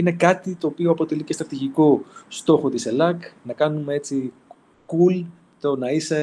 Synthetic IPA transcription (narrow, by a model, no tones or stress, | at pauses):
ine̞kɐt̪it̪o̞ːpioɐpo̞t̪e̞licest̪ɾɐt̪iʝiko̞st̪o̞xo̞t̪ise̞lɐknɐkɐnume̞e̞t͡si | kul | t̪o̞nɐise